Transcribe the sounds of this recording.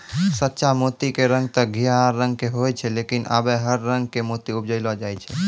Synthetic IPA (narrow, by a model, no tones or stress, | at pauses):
sət̪ːʃamot̪ikeɾə̃ŋɡ̚t̪ɔɡʱijaɾːə̃ŋɡ̚keɦojt͡ʃʰɛlekinʔa̰bɛɦəɾːəŋɡ̚kemot̪iup̚d͡ʒəɪlɔd͡ʒajt͡ʃʰɛ